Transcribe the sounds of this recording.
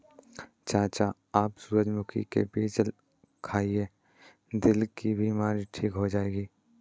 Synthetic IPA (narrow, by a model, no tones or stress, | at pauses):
t͡ʃaːt͡ʃa | aːpsuːɾəd͡ʒmʊkʰḭkḛpiːd͡ʒəl | kʰaːieː | d̪ɪlkibʱiːmaːɾiʈʰiːkɦod͡ʒaːeːɡiː